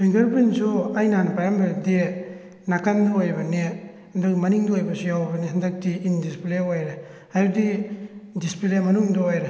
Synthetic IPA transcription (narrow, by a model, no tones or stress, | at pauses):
iŋɡaɾpinsuajnanɐpajambade | nakanduojbɐne | ndamaniŋdoojbasijawbɐnehandak̚tiindispleajɾe | ajdidispilemanuŋdɔajɾa